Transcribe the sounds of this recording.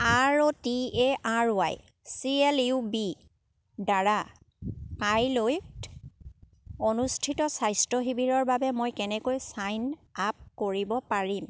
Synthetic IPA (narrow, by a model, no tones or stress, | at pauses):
aɹotieaɹa̰j | sieliubi | daɹa | kajloj | onustʰitɔsajstɹɔɦibiɹɔɹbabɛmojkɛnɛkojsajnap̚koɹibɔpaɹim